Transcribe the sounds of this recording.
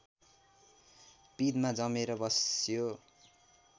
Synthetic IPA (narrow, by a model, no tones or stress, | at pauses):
pid̪mad͡zʌmeɾʌbʌsjo